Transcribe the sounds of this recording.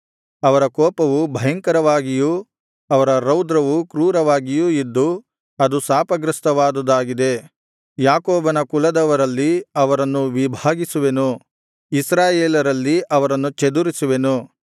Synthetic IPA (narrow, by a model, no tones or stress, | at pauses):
ɐʋɐɾɐkɔːpɐʋubʱɐjɐŋkɐɾɐʋaːɡiju | ɐʋɐɾɐɾɐwd̪ɾɐʋukɾuːɾɐʋaːɡijuid̪ːu | ɐd̪usaːpɐɡɾɐst̪ɐʋaːd̪ud̪aːɡid̪e̞ | jaːkoːbɐnɐkulɐd̪ɐʋɐɾɐlːiɐʋɐɾɐnːuʋibʱaːɡisuʋe̞nu | isɾaːjeːlɐɾɐlːiɐʋɐɾɐnːut͡ʃed̪uɾisuʋe̞nu